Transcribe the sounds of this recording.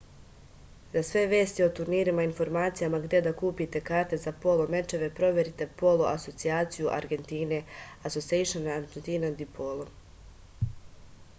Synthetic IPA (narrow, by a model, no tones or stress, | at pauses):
zasʋe̞ʋe̞ːst̪io̞t̪uɾniːɾimainfo̞ɾmaːt̪sijamaɡd̪je̞d̪akuːpit̪e̞kaːɾt̪e̞zapo̞lˠo̞me̞t͡ʃe̞ʋe̞pɾo̞ʋje̞ɾit̪e̞po̞lˠo̞ʔaso̞t̪siaːt̪sijuʔa̰ɾɡe̞nt̪iːne̞ | aso̞sieʃonaɾd͡ʒent̪iːnad̪ipʰolˠo